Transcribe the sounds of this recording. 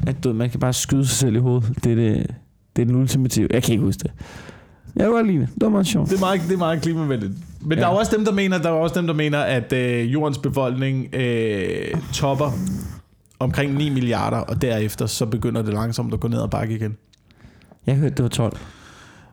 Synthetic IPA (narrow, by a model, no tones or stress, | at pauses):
æd̥ueð̰ˠmænskæb̥ɑ̈ːsɡ̥yð̞ˠəsɑ̈ɪsel̰iɦo̝ːð̞̩ˠd̥ede | d̥e̝ɐdenult͡sʰimæt͡sʰiʊ̰jɑ̈ɪkʰæe̝ɡ̥husd̥e̝ | jɑɡɑliːnəd̥e̝ɐmɑ̈ð̩ˠɕɒ̰ʊ̰̥d̥e̝mɑ̈ːð̩ˠd̥e̝ɐmɑ̈ːð̩ˠkʰliːmæʋen̰d̥id̥ˠmend̥ɑ̈æɒ̽sd̥emd̥ɑ̈me̝̰ːnɐd̥ɑ̈æɒ̽sd̥emd̥ɑ̈me̝̰ːnɐʔæd̥øjo̝̰ːɐnsb̥e̝fɒ̽l̰ɡ̥ne̝ŋø | t͡sʰɒ̽b̥ɐ | ɒ̽mkʰʁeŋ̰nḭːmiliɑ̰̈ːɾ̥ɐʔɒ̽d̥æɐefd̥ɐsɒ̽b̥e̝ɡ̥øn̰ɐd̥e̝lɑ̈ŋsɒ̽m̰d̥ɒɡ̥ɔ̰ːne̝ð̰ˠɐb̥ɑ̈ɡ̥əiɡ̥en | jɑhøɐd̥ːe̝ʋɑ̈t͡sʰɒ̽l̰